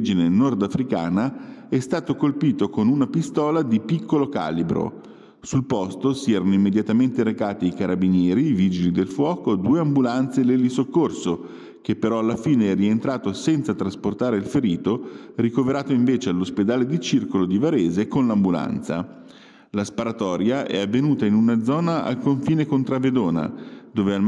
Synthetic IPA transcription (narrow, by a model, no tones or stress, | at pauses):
d͡ʒinenɔrd̪afɾika̰ːnaɛst̪aːt̪okolpiːt̪okonunapist̪ɔːlad̪ipikʰːoloka̰ːlibɾo̰ | sulpɔst̪osiɛːɾanoimːed̪jat̪ament̪eɾekaːt̪iikaɾʔabinjɛːɾiviːd͡ʒilid̪elfwɔːkod̪uːeambulant̪selelːisokːorso | kepːeɾɔalːafiːneɛrient̪ɾaːt̪osɛnt̪sat̪ɾasport̪aːɾeilfeɾiːt̪orikoveɾaːt̪oiɱveːt͡ʃealːosped̪aːled̪it͡ʃirkolod̪ivaɾeːzekonlambula̰nt̪sa̰ | laspaɾat̪ɔːɾjaʔɛ̰avːenuːt̪ainunad̪zɔːnaʔa̰lkoɱfiːnekont̪ɾaved̪oːna̰d̪oːveal